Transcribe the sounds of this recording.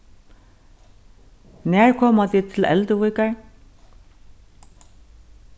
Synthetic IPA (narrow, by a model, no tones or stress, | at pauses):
næːɹkʰɔːmat̪it̪ʰɪlɛ̰lt̪əvujkaɹ